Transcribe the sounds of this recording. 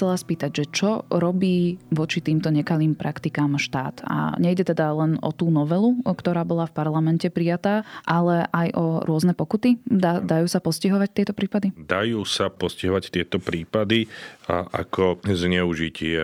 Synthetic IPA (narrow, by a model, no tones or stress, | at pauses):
t͡sɛlaspiːt̪aɟʒɛt͡ʃɔɾɔbiːʋɔt͡ʃit̪iːmt̪ɔɲɛkaliːmpɾʔakt̪ikaːmʃt̪a̰ːt̪a̰ɲɛjɟɛt̪ɛd̪alɛnɔ̰t̪uːnɔʋɛlukt̪ɔɾaːbɔlafpaɾlamɛncɛpɾijat̪aːʔalɛʔajʔɔɾʊɔznɛpɔkut̪id̪ad̪ajuːsapɔsciɦɔʋact̪ɪɛt̪ɔpɾiːpad̪id̪ajuːsapɔsciɦɔʋact̪ɪɛt̪ɔpɾiːpad̪iʔa̰kʰɔzɲɛuʒicɪɛ